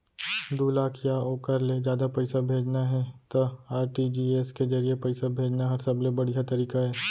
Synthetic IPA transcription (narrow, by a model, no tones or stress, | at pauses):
d̪uːlaːkʰjaoːkəɾled͡ʒjaːd̪apɛɪsabʱeːd͡ʒnaɦɛt̪oaːɾʈid͡ʒiːeskezɐɾiepɛɪsabʱeːd͡ʒnaɦɐɾsɐblebɐɽijat̪ɐɾiːkaɦɛː